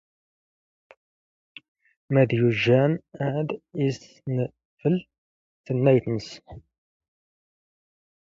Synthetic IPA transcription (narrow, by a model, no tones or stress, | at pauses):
mæðjuʒːænaʕd̪is | nə | fəl | θənːæjθəns